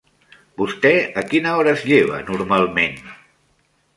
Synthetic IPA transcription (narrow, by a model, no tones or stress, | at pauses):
bust̪ɛəkinəɔɾəzʎeβ̞ə̰nuɾmalˠmen